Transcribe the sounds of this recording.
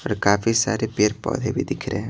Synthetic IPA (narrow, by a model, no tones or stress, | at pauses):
ɔɾkaːfʰisa̰ːɾepeːɾpɔ̰ːd̪ʱebʱid̪ɪkʰɾeɦɛ̃